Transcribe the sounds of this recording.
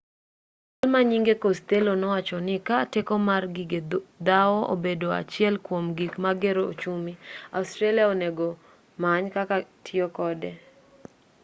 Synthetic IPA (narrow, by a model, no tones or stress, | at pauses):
t͡ʃalmaɲiŋɡekost̪elonɔwat͡ʃɔnɪkatekɔmarɡiɡed̪awɔʔo̰bedoa̰t͡ʃɪɛlkwomɡikmaɡeɾoot͡ʃumia̰ustɾaliaoneɡo | maɲkakatʰɪokɔdɛ